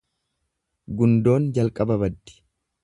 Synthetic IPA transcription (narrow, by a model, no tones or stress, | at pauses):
ɡʊnd̪o̞ːnd͡ʒɐlkʼɐbɐbɐd̪ːɪ̥